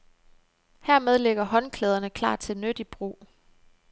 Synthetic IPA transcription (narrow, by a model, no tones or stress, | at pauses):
hæɐ̰með̞ˠleɡ̥ɐɦɒ̽nkʰleːð̞ˠɐnəkʰlɑ̰̥̈ːt͡sʰe̝lnød̥ib̥ʁṵː